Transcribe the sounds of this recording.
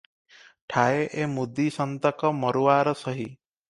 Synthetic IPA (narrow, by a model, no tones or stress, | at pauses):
ʈʰaeʔemud̪isɔnt̪ɔkɔmɔɾuwaːɾɔsɔɦi